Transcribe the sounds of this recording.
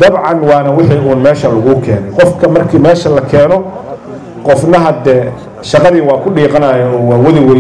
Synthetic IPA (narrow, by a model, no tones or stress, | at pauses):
d̪̥ɐbʕɑnwɑːnɐwɪħiːuːnmɛːʃɐlɐɣʊkʰɛːnɛjqɔfkʰɐmɐrkʰiːmɛːʃɐlɐkʰɛːnɔ | qɔfnɐɦɐd̪ɛː | ʃɑqɑðiːwɑːkʰʊɖiːqɑnɐːjɛɔːwɑːwɐðɪwɐl